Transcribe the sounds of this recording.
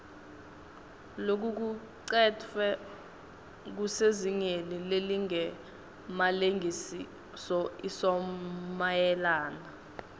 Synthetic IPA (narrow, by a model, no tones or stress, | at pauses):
lok̬uk̬u | ǀɛtʰɛ | k̬useziŋenileliŋɛ | maleŋʱisi | sɔisɔmajɛlaːna